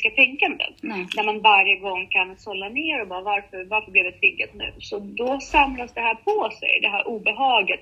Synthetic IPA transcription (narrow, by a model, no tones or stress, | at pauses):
kat̪ʰɛŋkand̪ə̰næɾmanvaɾjəɡɔŋːkʰansɔlːaneːɾɔbɑːɾavaɾfœɾvaɾfœɾbliːvd̪ɛt̪ʰɾɪɡːat̪nʉ̟̰ːsɔd̪ɔsamlasd̪ɛɦæːɾpʰɔsɛ̰jd̪ɛɦæːɾʔuːbɛɦɑːɡat̪